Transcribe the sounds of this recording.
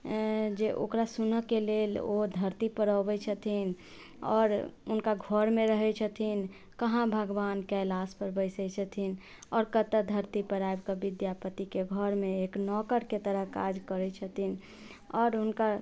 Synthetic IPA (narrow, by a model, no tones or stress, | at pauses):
d͡ʒeʔo̰kɾasunəkelelo̰d̪ʱəɾt̪ipəɾəbət͡ʃʰət̪ʰin | ɔ̰ːɾʊnkaɡʱəɾmẽɾəɦɛt͡ʃʰət̪ʰin | kəɦãbʱəɡʋaːnkɛjlaspəɾbəɪsət͡ʃʰət̪ʰin | ɔːɾkət̪əd̪ʱəɾt̪ipəɾaebkəbid̪japət̪ikeɡʱəɾmẽeknɔkəɾket̪əɾəɦkad͡ʒkəɾɛt͡ʃʰət̪ʰin | ɔːɾunka